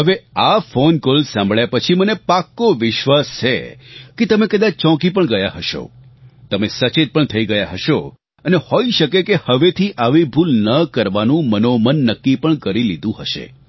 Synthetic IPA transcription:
ɦəʋeafonkolsãmbʱɭjapət͡ʃʰimənepakːoʋɪʃʋast͡ʃʰḛket̪əmekəd̪at͡ʃt͡ʃɔ̃kip̬əɳɡəjaɦəʃo̰ | t̪əmesət͡ʃet̪̚pəɳt̪ʰəiɡəjaɦəʃo | ənehoiʃəkekehəʋet̪ʰiʔaʋibʱulnəkəɾʋanũmənomənːəkːipəɳkəɾilid̪ũɦəʃḛ

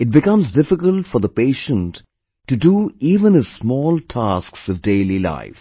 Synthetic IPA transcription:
ɨt̚bɪkʌ̃mzdɪfɪkəltfəɾðəpeɪʃə̃ntː | ɨduiːvə̃nɨz̥smɔːlˠtʰasksʌvdeɪlila̰ɪf

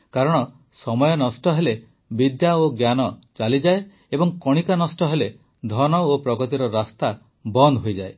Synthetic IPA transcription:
kaɾɔɽ̃ɔ | sɔmɔjɔnɔsʈɔɦele | bid̪jaoɡjanɔt͡ʃalid͡ʒae | ebɔŋkɔɽ̃ikanɔsʈɔɦele | d̪ʱɔnɔopɾɔɡɔt̪iɾɔɾast̪a | bɔnd̪ʱɦojd͡ʒae

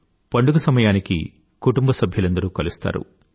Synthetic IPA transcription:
pɐɳɖuɡɐsɐmɐjaːnikḭ | kuʈumbɐsɐbʱjɐlɐnd̪ɐɾuːkɐlust̪a̰ːɾṵ

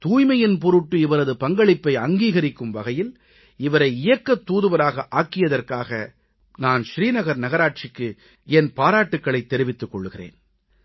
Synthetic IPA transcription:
t̪uːjmɐjɪnpɔɾɯʈːɯɪʋɐɾɐðɯpɐŋɡɐɭɪpːɐɪɐŋɡiːɣɐɾɪkːɯmʋɐɣɐjɪl | ɪʋɐɾɐɪɪjɐkːɐt̪ːuːðɯʋɐɾaːɣɐʔaːkːɪjɐðɐrkaːɣɐ | naːnʃɾiːnɐɣɐɾnɐɣɐɾaːʈ̚t͡ʃɪkːɯ | ɛnpaːɾaːʈːɯkːɐɭɐɪt̪ːɛɾɪʋɪt̪ːɯkːɔɭːɯɣɪrḛːn

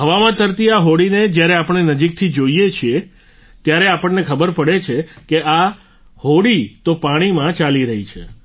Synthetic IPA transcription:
ɦəʋamãt̪əɾt̪iaɦoɽined͡ʒjaɾeapəɳ̃enəd͡ʒik̚t̪ʰid͡ʒoijet͡ʃʰie | t̪jaɾeapəɳːekʰəbəɾpəɽet͡ʃʰekea | hoɽit̪opaɽ̃imãt͡ʃaliɾəɦit͡ʃʰḛ

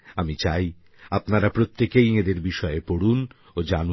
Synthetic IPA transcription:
amit͡ɕaj | apnaɾapɾot̪ːekejed̪eɾbiʃɔepoɽun | od͡ʑanu

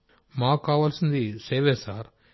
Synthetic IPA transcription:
maːkːaːʋaːlsind̪iseːʋeːsaːɾ

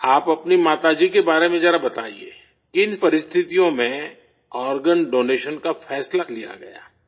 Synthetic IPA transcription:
aːpɐpnimaːt̪ad͡ʒikebaːɾemẽd͡ʒɛɾabɐt̪a̰ːḭḛː | kɪnpɐɾɪst̪ʰɪt̪ijõmẽ | ɔːɾɡənɖoːneːʃənkafʰɛːslalija̰ɡɐ̰ja̰ː

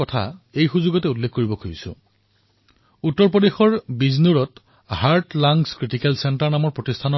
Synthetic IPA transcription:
ɔtʰa̰ejxuzuɡɔtɛulːekʰkoɹibɔkʰojisʊ̰̃ | utːɔɹp̬odexɔɹbiznuɹɔt | haɹtlaŋɡskɹitikɛlsɛntaɹnamɔɹpɹotistʰanɔ

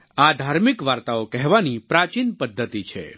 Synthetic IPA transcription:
ad̪ʱaːɾmɪkʋaːɾt̪aokɛɦʋanipɾat͡ʃinpəd̪ʱːət̪it͡ʃʰḛ

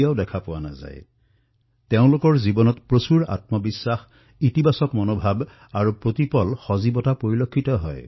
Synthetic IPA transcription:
aʊdɛkʰapʊwana̰za̰j | teʊ̃lʊkɔɹzibɔnɔtpɹosuɹa̰tmɔbisːax | itibasɔkmɔnobʱab | aɹupɹotipɔlxɔzibɔtapoɹilokʰːitɔɦɔ̰j

